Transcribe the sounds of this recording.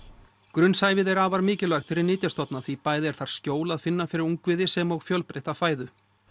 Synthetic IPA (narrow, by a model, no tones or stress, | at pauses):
kɾʏnsaːjvɪðɛɾaːvaɾmɪːcɪlaɣt̪fɪɾɪɾniːt̪̬jast̪ɔt̪naθvipaːjðɪɛɾ̥θaɾ̥scoːwlaðfɪnːafɪɾɪɾuŋkvɪðɪsɛmɔɣfjœlpɾejht̪afaːjðʏ